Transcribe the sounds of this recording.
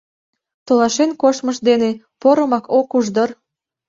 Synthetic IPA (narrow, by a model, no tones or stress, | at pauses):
t̪olɑʃenkoʃməʃd̪ene | poɾə̆mɑkʰokuʒd̪ər